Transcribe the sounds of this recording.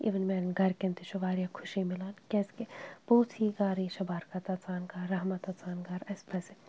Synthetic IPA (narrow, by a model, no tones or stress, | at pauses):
ḭʋənmɛːnɡʱɐɾkent̪iʃɐʋaːɾjakʰʊʃimɪlaːnkɛskeb̥oːt̪ʰiɡaːɾiʃɐbaːɾkat̪ɐt͡saːnɡaɾːɐɦmɐt̪ɐt͡saːnɡɐɾɐspɐse